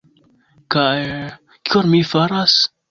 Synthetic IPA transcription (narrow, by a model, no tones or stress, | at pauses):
kaj | kionmifaɾas